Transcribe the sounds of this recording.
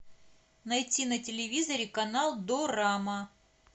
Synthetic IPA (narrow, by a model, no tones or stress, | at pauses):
nɐjtʲinɐtʲɪlʲɪvʲizɐɾʲɪkɐnalˠd̪oɾamə